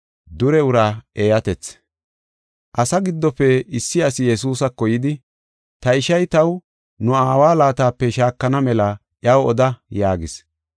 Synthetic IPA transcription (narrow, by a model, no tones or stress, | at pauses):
d̪ʊɾɛʊɾaːeːjɐt̪ɛt͡s | ʔɐsɐɡɪd̪ːɔpːɛɪsːɪɐsɪjɛs̬uːsɐkːɔjɪd̪ɪ | t̪ɐɪʃɐjt̪ɐw | nʊaːwaːlaːt̪aːpːɛʃaːkːɐnɐmɛlɐ | ʔjɐwɔd̪ɐjaːɡɪs